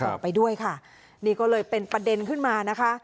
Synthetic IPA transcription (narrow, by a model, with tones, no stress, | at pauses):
ɔ˨˧˩pa˧jdu˥˩əjkʰa˥˩ | niː˥˩kɔː˥˩lɤː˧jpe˧npɾa˧de˧nkʰɯ˥˩nmaː˧na˦˥kʰa˦˥ʔ